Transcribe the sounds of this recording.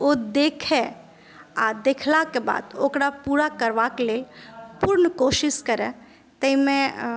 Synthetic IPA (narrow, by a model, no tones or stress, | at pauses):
oːd̪eːkʰe | ad̪eːkʰlakeba̰ːd̪oːkɾapuːɾakəɾʋakeleːlpʊɾnkoːʃɪʃkəɾɛ̃ | t̪əimẽ